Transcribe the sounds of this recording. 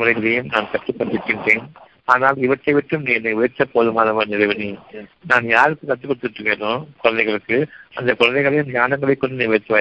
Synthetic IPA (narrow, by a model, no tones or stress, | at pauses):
ʋɾɐɪɣɯðejɯmnaːnkɐʈːɯpːɐʈ̪ːɪʈːɪnʈːeːn | aːɐnaːlɪʋɐʈːɐɪʋɪʈːɯmniːŋɛnɐʋʊjɐɾt͡ʃːɐpoːðɯmaːlɐʋɐnɪlɐɪʋɐni | naːnjaːɾɯkːɯkɐʈ̪ːɯkːɔɽɯt̪ːɯʈɾɯkːeõːkʊɻɐnd̪ɐɪɣɐɭɯkːɯɐ̰nd̪ɐkʊɻɐnd̪ɐɛɪɣɐɭɐjɯmɲaːnɐŋɡɐɭɐɪkːɔɳɖɯniːʋɐt̪ːɯʋaː